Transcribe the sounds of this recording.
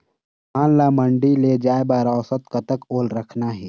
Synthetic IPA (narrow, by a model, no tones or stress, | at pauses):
aːnlaməɳɖiled͡ʒaːebaːɾaːsət̪kət̪əkoːlɾəkʰnaɦɛː